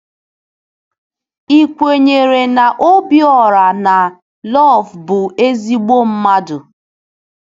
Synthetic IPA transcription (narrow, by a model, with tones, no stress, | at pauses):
i˦kʷe˨ɲe˨ɾe˨na˨ʔo˦bjɔ˨ɾa˨na˨ | lɔ˦˨fbʊ˨e˦zi˦ɡ͡bo˦m̩˦ma˦dʊ˨